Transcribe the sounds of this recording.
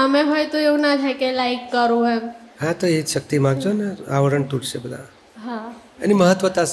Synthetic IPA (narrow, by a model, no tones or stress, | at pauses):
əmẽɦojt̪oeũnad͡ʒʰʱakelaikːəɾũɦɛmɦãt̪oiʃək̚t̪imãɡd͡ʒoneaʋəɾəɳt̪uɽsebəd̪ʱa̰ | ɦã | a̰niməɦət̪ʋət̪as